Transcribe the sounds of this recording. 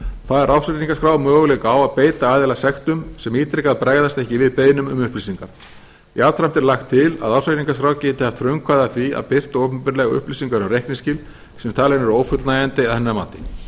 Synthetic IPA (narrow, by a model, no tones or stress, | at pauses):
kθʰaːðɛɾʔawsat̪iŋkaskɾaːwmœːɣʏlɛkawaðpeːjt̪aaːðɛlasɛxt̪ʏmsɛmiːt̪ɾekaðpɾaːɣðast̪ɛhcɪvɪðpeːjnʏmʏ̰mʏhplisiŋkaɾ̥ | iawt̪ʰɾam̥t̪ɛɾlaxt̪ʰːɪla̰ðawsat̪iŋkaskɾawcɛːt̪ɪhav̥t̪ʰɾœɥŋkʰvaðaθvia̰ðpɪr̥t̪owpʏmpɪɾlɛɣʏ̰hpliːsiŋkaɾʏmrejhknɪscɪl | sɛmt̪ʰaːlɛnɛɾoːwfʏt̪lnajant̪ɪaðɛnːamaːt̪ɪ̥